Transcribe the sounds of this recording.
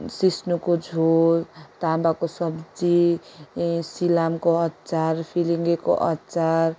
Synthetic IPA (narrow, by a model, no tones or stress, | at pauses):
sisnukod͡zʱot̪abakosʌbd͡zi | silamkoʌt̪ːt͡saɾpʰiliŋɡeko̰ʔʌt̪ːt͡sar